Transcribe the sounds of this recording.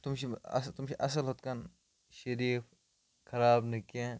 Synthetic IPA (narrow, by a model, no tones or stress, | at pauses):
t̪ʊmʃeɐ̰st̪ʊmʃeʔɐs̬əlɦot̪̚kɐn | ʃɐɾiːf | kʰɐɾaːbnɪkẽ